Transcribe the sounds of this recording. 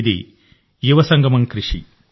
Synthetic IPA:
d̪ḭ | juʋɐsɐŋɡʱɐmɐŋkɾiʂḭ

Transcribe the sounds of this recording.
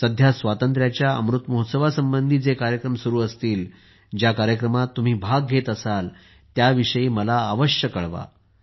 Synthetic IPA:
səd̪ʱjasʋat̪ənt̪ɾjat͡ɕjaə̰mɾut̪moɦot̪səʋasəmbənd̪ʱiːd͡zekaɾjəkɾəmsuɾuːəst̪iːl | d͡ʑjakaɾjəkɾəmat̪ːum̤iːbʱaɡ̚ɡʱet̪əsal | t̪jaʋiʂəjiːməlaːʋəɕjəkəɭʋa̰

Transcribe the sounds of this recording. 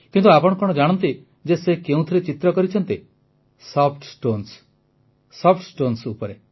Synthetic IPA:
kint̪uapɔɽɔkɔɽ̃ɔd͡ʒaɽ̃ɔnt̪i | d͡ʒesekeũt̪ʰiɾet͡ʃit̪ɾɔkɔɾit͡ʃʰɔnt̪i | sɔp̚ʰʈsʈons | sɔp̚ʰʈsʈonsupɔɾe

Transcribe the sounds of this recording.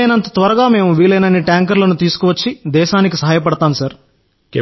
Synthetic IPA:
jnɐnt̪ɐt̪ʋɐɾɐɡaːme̞ːmuʋiːlɐjnɐnːiʈjaːŋk̬ɐɾlɐnut̪iːsu̥kuʋɐt͡ʃːid̪ɛːʃaːnikisɐɦaːjɐp̬ɐɽɐt̪aːmusɐɾ | k

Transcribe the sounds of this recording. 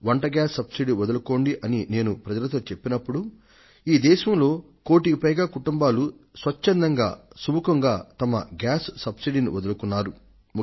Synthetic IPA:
ʋɐɳʈɐɡjaːsːɐbsiɖiʋɐd̪ɐlɐko̞ːɳɖiʔɐnine̞ːnupɾɐd͡ʒɐlɐt̪oːt͡ʃe̞pːinɐpːuɽu | iːd̪ɛːʃɐmlo̞ː | ko̞ːʈiɡipɐjɡaːkuʈumbaːlusʋɐt͡ʃːɐnd̪ɐŋɡa̰ːsubukɐŋɡaːt̪ɐmɐ̰ɡaːsːɐbsiɖinḭʋɐd̪ɐlɐkunːaːɾu | m

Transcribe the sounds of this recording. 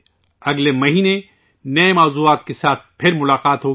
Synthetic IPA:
ɐɡlemɐɦiːne | nɐemaːzuaːt̪kesaːt̪̚ʰpʰɪɾmʊlaːqaːt̪ɦoː

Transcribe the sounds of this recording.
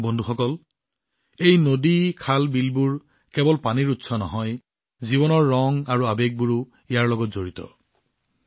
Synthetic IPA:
bɔndʱuxɔkɔl | ejnodikʰalbilbuɹ | kɛbɔlpaniɹutsɔnɔɦɔj | zibɔnɔɹːɔŋaɹuabek̚buɹu | ijaɹlɔɡɔtzoɹitɔ̰

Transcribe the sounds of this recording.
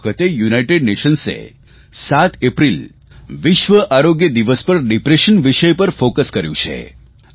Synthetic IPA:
kʰət̪ejunajʈeɖneʃənsḛ | sat̪ʰepɾil | ʋɪʃʋəʔaɾoɡjəd̪iʋəspəɾɖipɾeʃənʋiʃəjpəɾfokəskəɾjũt͡ʃʰḛ

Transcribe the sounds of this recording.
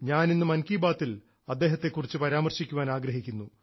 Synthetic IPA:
ɲaːninːɨmɐnkiːbaːt̪ːil | ɐd̪ːeːɦɐt̪ːe̞kːurit͡ɕːɨpɐɾaːmɐrɕikʲːuʋaːnaːɡɾɐɦikʲːunːu

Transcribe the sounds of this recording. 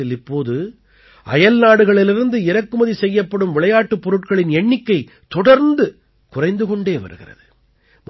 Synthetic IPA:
ɪlɪpːoːðɯ | ɐ̰jɐlnaːɽɯɣɐɭɪlɪɾɯnd̪ɯɪɾɐkːɯmɐðisɛjːɐpːɐɽɯmʋɪɭɐjaːʈːɯpːɔɾɯʈkɐɭɪnɛɳːɪkːɐɪ | t̪ɔɽɐɾnd̪ɯ | kʊrɐɪnd̪ɯkɔɳɖeːʋɐ̰ɾɯ̰ɣɪ̰rɐ̰ðɯ | m

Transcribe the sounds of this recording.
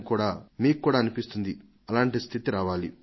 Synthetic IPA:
kuːɽaːmiːkkːuːɽaːɐnipist̪und̪i | ɐlaːɳʈist̪ʰit̪iɾaːʋaːli

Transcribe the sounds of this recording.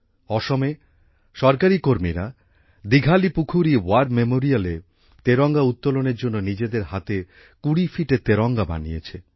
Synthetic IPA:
ɔʃome | ʃɔɾkaɾikoɾmiɾa | d̪iɡʱalipukʰuɾiwaɾɖmemoɾiale | t̪eɾɔŋɡaut̪ːoloneɾd͡ʑonːonid͡ʑed̪eɾɦat̪e | kuɽifiʈet̪eɾɔŋɡaba̰nijet͡ɕʰe

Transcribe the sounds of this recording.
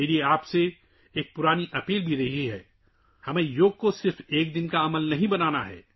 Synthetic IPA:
elieaːpse | eːk̚pʊɾaːniʔɐpiːlbʱiɾɐɦiɦɛ̰ː | hɐmẽjoːɡ̚kosɪɾfeːk̚d̪ɪnkaɐməlnɐɦĩbɐnaːnaɦɛ̰ː

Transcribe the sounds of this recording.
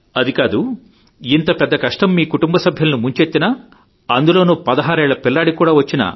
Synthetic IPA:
ɐd̪ikaːd̪u | int̪ɐpɛd̪ːɐkɐʂʈɐmːiːkuʈumbɐsɐbʱjɐlɐnumuɲt͡ʃet̪ːinɐ | ɐnd̪ulo̞ːnuːpɐd̪ɐɦaːɾɛːɭɐpilːaːɽikuːɽaːʋɐt͡ʃːinɐ̰

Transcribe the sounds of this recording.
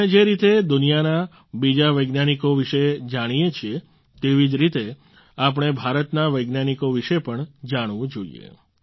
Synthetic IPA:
ed͡ʒeɾit̪ed̪ʊnijana | bid͡ʒaʋəjɡnanikoʋiʃed͡ʒaɽ̃ijet͡ʃʰie | t̪eʋid͡ʒɾit̪e | ap̬əɳ̃ebʱaɾət̪naʋəjɡnanikoʋiʃepəɳd͡ʒaɽ̃ʋũd͡ʒoḭḛ

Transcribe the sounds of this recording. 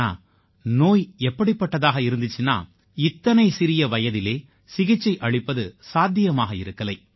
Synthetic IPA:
a̰ː | noːjɛpːɐɽipːɐʈːɐðaːɣɐɪɾɯnd̪ɪt͡ʃːɯna̰ː | ɪt̪ːɐnɐɪsɪɾɪjɐʋɐjɐðɪleː | sɪɣɪt͡ʃːɐɪʔɐɭɪpːɐðɯsaːd̪ʱjɪjɐmaːɣɐɪ̰ɾɯkːɐlɐɪ

